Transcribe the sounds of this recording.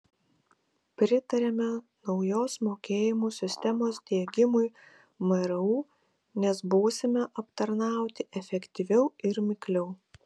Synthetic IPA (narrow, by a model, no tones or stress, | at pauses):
pʲɾʲɪt̪ɐɾʲɛmʲɛ | nɒʊjoːsmoːkʲeːjɪmuːsʲɪsʲt̪ʲɛmoːsd̪ʲiɛɡʲɪmʊj | mɐɾɐuː | nʲɛsbuːsʲɪmʲɛʔɐpt̪ɐɾnɑˑʊt̪ʲɪʔɛfʲɛkʲt̪ʲiʋʲɛʊɪɾmʲɪklʲɛʊ